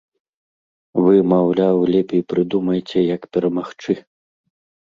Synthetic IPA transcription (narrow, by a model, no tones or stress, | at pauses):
vɨmawlʲawlʲɛpʲejpɾɨd̪umɐjt͡sʲɛjɐkpʲɛɾɐmaxt͡ʂɨ